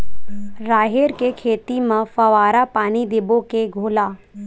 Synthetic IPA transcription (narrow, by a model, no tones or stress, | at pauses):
ɾaːɦeɾkekʰeːt̪imə̃fɐʋaːɾapaːnid̪ɪbokeɡʱoːlaː